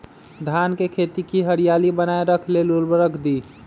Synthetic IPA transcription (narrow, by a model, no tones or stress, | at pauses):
d̪ʱankekʰet̪ikiɦəɾijalibənaeɾəkʰlelulbəɾəkʰd̪i